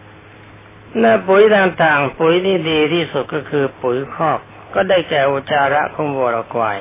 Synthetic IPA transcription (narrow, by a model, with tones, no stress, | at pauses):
naː˧˩˨pu˨˩˦jd̪aː˧ŋt̪aː˨˩ŋpu˨˩˦jt̪ʰiː˥˩diː˧t̪ʰiː˥˩su˨˩t̪̚kɔː˥˩kʰɯː˧pu˨˩˦jkʰɔː˥˩k̚ | kɔː˥˩daː˥˩jkɛː˨˩ʔoː˧˩t͡ɕaː˧ɾa˦˥ʔkʰo˧˥˩ŋwu˧˩ɾa˧˩kwa̰ː˧j